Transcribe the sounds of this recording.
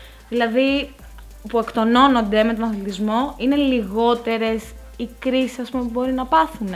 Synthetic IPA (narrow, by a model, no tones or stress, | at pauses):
ðilɐði | pue̞kt̪o̞no̞no̞nd̪e̞me̞t̪o̞nɐθlit̪izmo̞ine̞liɣo̞t̪e̞ɾe̞s | ikɾisisɐspumepubo̞ɾinɐpɐθun